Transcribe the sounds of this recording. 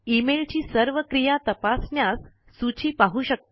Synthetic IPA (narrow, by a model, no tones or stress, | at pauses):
imelt͡ɕiːsəɾʋəkɾijat̪əpasɳjasː | ut͡ɕʰiːpaɦuːɕək̚t̪